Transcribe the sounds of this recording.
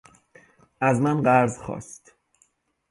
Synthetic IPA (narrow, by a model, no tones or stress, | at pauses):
ʔæzmænɢæɾzχɒ̰ːst̪